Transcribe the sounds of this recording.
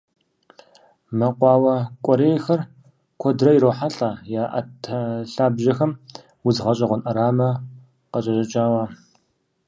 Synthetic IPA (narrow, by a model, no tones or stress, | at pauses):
mɐqʷɑːwɐkʷʼɔɾeːjxɐr | kʷʰɔdrɐjɾowħaɬʼaːjaːʔɐ̰tʰɐɬaːbʒɐxɐm | wʊzʁɐɕʼɐʁʷʊnʔɐɾaːmɐ | qɐɕʼɐɕʼɐt͡ʃʼaːwaː